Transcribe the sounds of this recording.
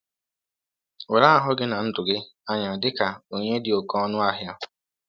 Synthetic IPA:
we˨ɾa˦a˦˨ɦʊ˦ɡɪ˦na˨n̩˦dʊ˨ɡɪ˦ | a˦ɲa˨dɪ˦ka˨o˨ɲe˦dɪ˨o˨kɔ˦nʊ˦a˦ɦja˦

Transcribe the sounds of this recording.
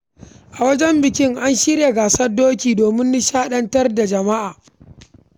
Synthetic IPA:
ʔa˨wɐ˦d͡ʒɛ˦mbɪ˨kʲɪ˦ŋʔa˦nʃi˦ɾje˨ɡaː˨sɐ˦rdoː˦kʲiː˨doː˨mɪ˦nːi˦ʃaː˦ɗɐ˦ntɐ˦rda˨d͡ʒɐ˨ma˦ʔaː˨

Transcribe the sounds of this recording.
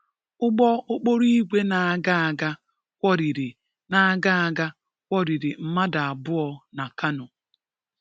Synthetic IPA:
ʊ˦ɡ͡bɔ˦o˦k͡po˦ɾi˦ɡʷe˦na˨a˨ɡa˦a˨ɡa˦ | kʷɔ˦ɾi˨ɾi˨ | na˨a˦˨ɡa˦a˨ɡa˦ | kʷɔ˦ɾi˨ɾi˨m̩˦ma˦da˨a˨bʊ˦ɔ˨na˨ka˦nʊ˨

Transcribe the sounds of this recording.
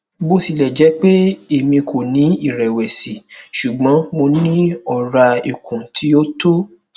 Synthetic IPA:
bo˦si˧lɛ˨d͡ʒɛ˨˦k͡pe˦e˨mĩ˧kʰo˨nĩ˨˦i˦˨ɾɛ˨wɛ˨si˨ʃu˨ɡ͡bɔ̃˨˦mo˧nĩ˦ɔ˦˨ɾa˧i˨kũ˨tʰi˨˦jo˦to˦

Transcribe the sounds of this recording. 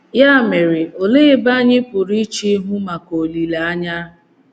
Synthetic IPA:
ja˦˨me˨ɾɪ˨o˨le˦ba˦ɲɪ˦pʊ˨ɾi˦t͡ʃi˦ɦʊ˦ma˨ko˨li˨la˨a˦ɲa˦

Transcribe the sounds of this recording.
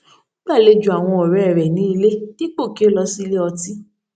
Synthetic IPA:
o˦ɡ͡ba˦˨le˧d͡ʒu˨a˨w̃ɔ̃˧ɔ˨ɾɛ˨˦ɛ˨ɾɛ˨nĩ˨˦i˧le˦ki˦k͡po˦˨ki˦o˦lɔ˧si˦˧le˦ɔ˧ti˦

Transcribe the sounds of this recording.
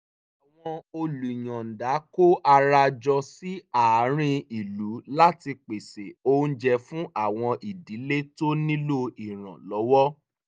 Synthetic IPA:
a˨w̃ɔ̃˧o˧lu˨j̃ã˨n̩˨da˨˦ko˦ʔa˧ɾa˧d͡ʒɔ˧si˦a˨˦ɾ̃ĩ˦i˨lu˨˦la˦ti˧k͡pe˨se˨õ˦d͡ʒɛ˧fũ˦ʔa˦˨w̃ɔ̃˧ʔi˨di˨˦le˦to˦nĩ˦lo˦i˨ɾ̃ã̰˨lɔ˨˦wɔ˦

